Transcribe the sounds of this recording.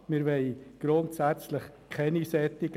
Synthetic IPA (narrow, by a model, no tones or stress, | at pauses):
mɪɾʋɛɪɡ̥ɾʊntsæt͡slɪχ | kʰɛnisɛtɪɡ